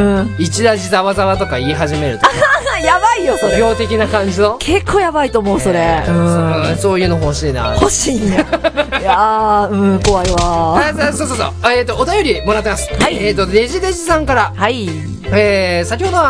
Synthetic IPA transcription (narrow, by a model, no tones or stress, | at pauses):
ɯ̟̃it͡ɕiɾaʑizaβazaβat̪o̞kaiːɦaʑime̞ɾɯ̟t̪ojabaijosoɡʲo̞ːt̪e̞kʲinakãɲ̟d͡ʑino̞kʰe̞kʰːo̞ːjabait̪o̞ːmo̞ɯ̟so̞ɾe̞ɯ̟̃sõsoːjɯ̟ːno̞oɕiːna̰hoɕiːnajaɯ̟̃ɴko̞βaiβaasoːsoːso̰ːeːt̪ːoːt̪ajo̞ɾʲimo̞ɾat̪ːemasɨ̥haieːt̪ːod̪e̞ʑid̪e̞ʑisãŋkaɾahai | eːsak̬ʲiho̞d̪o̞βa